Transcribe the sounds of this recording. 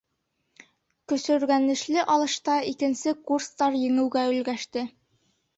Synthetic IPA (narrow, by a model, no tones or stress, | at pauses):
kɵ̆sɵ̆ɾɡænɘ̆ʃlɘʔɒlˠɤ̆ʃt̪ɑikɘ̆nsɘkurst̪ɑɾjɘ̆ŋɘ̆wɡæɵ̆lɡæʃt̪ɘ